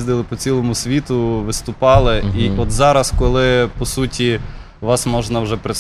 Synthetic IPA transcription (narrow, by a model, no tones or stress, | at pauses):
zd̪ɪlˠɪpɔt͡sʲilˠɔmʊsʲʋʲit̪ʊʋɪst̪ʊpɑlˠɪiɔt̪zɑɾɐskɔlˠɪpɔsutʲi | ʋɑsmɔʒnɐwʒɛpɾɪ